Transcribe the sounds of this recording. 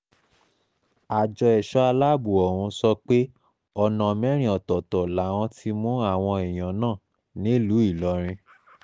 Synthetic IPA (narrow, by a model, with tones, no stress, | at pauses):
a˨d͡ʒɔ˧ɛ˨ʃɔ˦a˧la˦˨bu˨ɔ˨wũ˧sɔ˧k͡pe˦ | ɔ˧˨nã˨mɛ̃˨˦ɾ̃ĩ˦ɔ˨tɔ˨tɔ˨la˨w̃ɔ̃˧˦tʰi˧mũ˦a˦˨w̃ɔ̃˧i˨j̃ã˨nãː˦˨ | nĩ˨˦lu˨˦i˦˨lɔ˨˧˦ɾ̃ĩ˧